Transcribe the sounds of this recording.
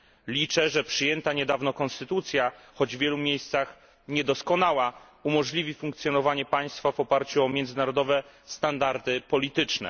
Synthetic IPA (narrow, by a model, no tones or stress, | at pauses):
lʲit͡ʂɛʐɛpʂɘjɛnt̪aɲɛd̪avnɔkɔnst̪ɘt̪ut̪sʲjaxɔd͡ʑvːʲjɛlumʲjejst̪sax | ɲɛd̪ɔskɔnawa | umɔʐlʲivʲifuŋk̚t̪sjɔnɔvaɲɛpaj̃st̪favɔpaɾt͡ɕuɔmʲjɛnd̪ɘnaɾɔd̪ɔvɛst̪and̪aɾd̪ɘpɔlʲit̪ɘt͡ʂnɛ̰